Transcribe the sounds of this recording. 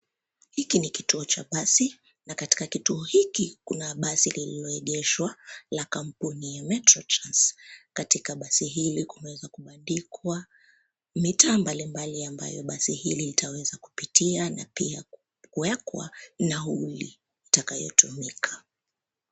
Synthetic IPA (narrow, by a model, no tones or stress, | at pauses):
hikinikituɔt͡ʃa̰ɓasi | nakati̥kakituɔhikikunaɓasilililɔɛɠɛʃwalakam̩punijamɛtɾɔtɾanskatikaɓasiɦilikumɛwɛzakuɓandikʰwa | mitaːmbalimbaliamba̰jɔɓasihililitʰawɛzaku̥pitianapia | kuɛkwa̰naulḭ | itakajɔ̰tumikʰḁ